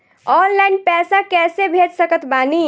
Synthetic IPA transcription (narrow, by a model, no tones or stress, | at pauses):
ɔːnlainpɛsakɛsebʱed͡ʒsəkət̪baːni